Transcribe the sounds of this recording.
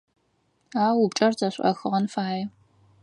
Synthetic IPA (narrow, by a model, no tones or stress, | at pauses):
aːwubt͡ʃʼɐrzɐɕʷʼʔɐ̰xɨʁɐnfaːjɛ